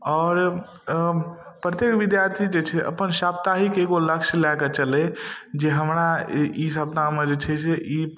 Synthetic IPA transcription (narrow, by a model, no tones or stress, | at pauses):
ɔːɾ | pɾət̪jekʋid̪jaɾt̪ʰid͡ʒet͡ʃʰɛʔə̰pənʃap̚t̪aɦikeɡoləkʃlɛket͡ʃəlɛd͡ʒeɦəmɾais̬əbnamed͡ʒet͡ʃʰɛseʔi